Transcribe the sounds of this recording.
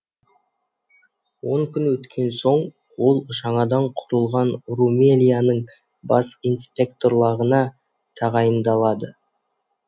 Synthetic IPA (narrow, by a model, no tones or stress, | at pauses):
wo̞ɴkʲʏnwɵt̪kʲʰe̞nso̞ɴ | wo̞lˠʒɑɴɑd̪ɑɴqʰʊɾəlˠʁɑnrumelʲijanəɴ | bɑ̰sinspʲe̞kt̪o̞ɾlˠɑʁənɑ | t̪ʰɑʁɑjənd̪ɑlˠɑd̪ə